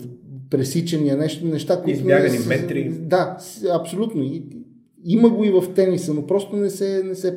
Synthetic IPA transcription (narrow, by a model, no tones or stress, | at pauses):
pɾɛsit͡ʃɛniənɛʃt̪onɛʃt̪akoit̪ojaɡɐnimɛt̪ɾid̪asɐpsolʲut̪noi | iməɡoivɐft̪ɛnisənopɾɔst̪onɛsɛnɛsɛ